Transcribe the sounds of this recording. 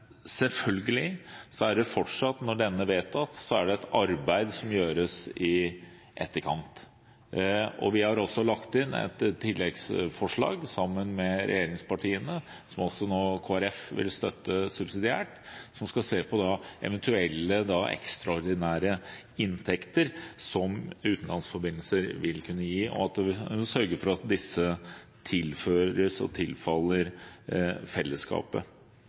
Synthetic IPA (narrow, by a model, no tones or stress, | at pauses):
sɛlfœlɡəlɪsɔæɖɛfɔʈʂɑt̪nɔɖɛnːəʋeːt̪ɑt̪sɔæɖɛɛt̪ɑɾbæɪd̪sɔmjøːɾəsɪ | ʔɛ̰t̪ːəɾkʰɑnt̪ | ɔ̰ʋɪhɑɾɔsːɔlɑkt̪ɪnɛ̰t̪t̪ʰːɪlːɛɡsfɔʂɭɑ̰ːɡsɑmːənmɛɾɛ̰jeːɾɪŋspɑʈʰiːənə | sɔmɔsɔnoːkʰoːæɾɛfʋɪ̰lst̪œt̪ːəsʉbsɪd̪ɪæ̰ːʈsɔmskɑseːpʰɔd̪ɑɛ̰ʋənt̪ʰʉɛlːəd̪ɑɛ̰kst̪ɾɑɔɾɖ̪ɪnæːɾə | ɪnt̪ʰɛkt̪əɾsɔmʉːt̪n̩lɑnsfɔɾbɪnlsəɾʋɪlkʰʉnːəjiːʔɔ̰ɑt̪̚d̪ɛsœɾɡəɾfɔɾɑt̪̚d̪ɪsːə | t̪ʰɪlføːɾəsɔ̰t̪ʰɪlfɑlːəɾ | fɛlːəskɑ̰ːpə̰